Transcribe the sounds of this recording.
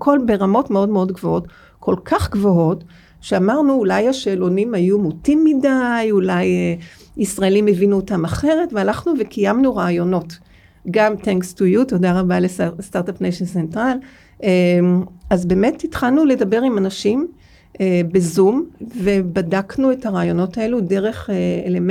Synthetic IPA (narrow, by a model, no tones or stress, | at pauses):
kʰo̞lbe̞ʁamo̞tme̞o̞dmeo̞dɡvo̞o̞t | kʰo̞lkʰaχɡvo̞o̞t | ʃeamaʁnuːlajhaʃeːlo̞nimhajumutimːidajulaje | isʁae̞limevinuotamaχe̞ʁe̞tvealaχnuvekʰijamnuʁaajo̞no̞t | ɡamteŋkstujutodaʁabalestaʁtapnejʃensentʁal | azbe̞ːme̞tːitχalnule̞dabe̞ʁimanaʃim | ebezumve̞badaknue̞thaʁaːjo̞no̞tʰae̞lude̞ʁe̞χeelem